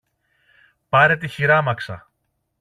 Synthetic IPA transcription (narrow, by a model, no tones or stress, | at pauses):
pɐɾe̞t̪içiɾɐmɐksɐ̰